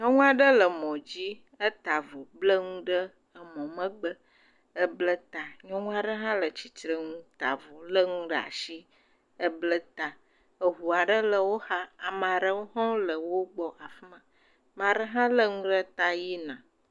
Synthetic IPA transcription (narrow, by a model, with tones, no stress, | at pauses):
ɲɔ̃˦ŋũ˦a˨ɖə˦lə˨mɔ̃˨d͡ʑi˦ | ə˦t̪a˨vo˨blə˦ŋũ˦ɖə˦ | ə˦mɔ̃˨mə̃˦ɡ͡bə˦ | ə˦blə˦t̪a˨ɲɔ̃˦ŋũ˦a˨ɖə˦ɦã˦lə˨t͡ɕi˨t̪ɾə˨ŋũ˦t̪a̰˨vo˨lə˦ŋũ˦ɖə˦˨a̰˨ʃi˦ | ə˦blə˦t̪a˨ | ə˨ɦu˨a˨ɖə˦lə˨wo˦ha˦a˨m˨ɖə˦wo˦ɦɔ̃˦lə˨wo˦ɡ͡bɔ˦ʔa˨fi˦mə̃˨ | mã˨ɖə˦ɦã˦lə˦ŋũ˦ɖə˦t̪a˦ji˦nã˨